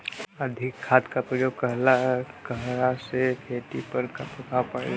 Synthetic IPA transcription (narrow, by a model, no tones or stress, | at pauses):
əd̪ʱɪkʰːaːt̪kapɾijokəɦlaɦkəɦɾasekʰeːʈipəɾkɐpkapae